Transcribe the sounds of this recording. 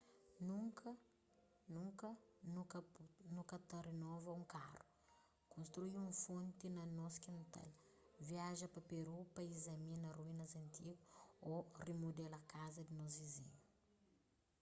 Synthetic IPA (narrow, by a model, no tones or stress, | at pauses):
nuŋkɐ | nũŋkɐknũkɐt̪ɐɾenɔvɐũŋkaru̥ | kõst̪ɾuiũfõnt̪inɐnɔskint̪a̰l | viaʒɐpɐpeɾupɐizɐminɐruinɐzɐnt̪iɡuorimud̪elɐkazɐd̪inɔs̬vizḭɲu